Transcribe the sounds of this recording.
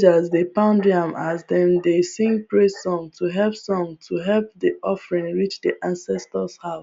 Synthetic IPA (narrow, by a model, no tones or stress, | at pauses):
d͡ʒəzdepãʊ̃ndiãmʔazdɛ̃mdesĩŋpɹesɔ̃mtʰuɦɛlpsɔ̃ŋtʰuɦɛlp̚diʔɔfɹĩnɹit͡ʃdiʔãnsɛstəshav